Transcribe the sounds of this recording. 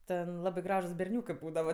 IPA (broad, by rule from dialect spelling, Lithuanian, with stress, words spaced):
ˈtʲɛn ˈlˠɑːbɜ ˈɡrɑːʒuːs bʲɛrʲˈnʲuːkɜ ˈbuːdɐʋɐ